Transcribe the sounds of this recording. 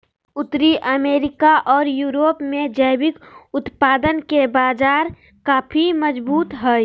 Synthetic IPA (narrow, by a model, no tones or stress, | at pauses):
ʊt̪ːɾiʔəmeːɾɪkaʔɔːɾjuːɾoːpmẽd͡ʒəɪbɪkʊt̪paːd̪ənkebaːd͡ʒaːɾ | kaːpʰiməd͡ʒbuːt̪ɦɛj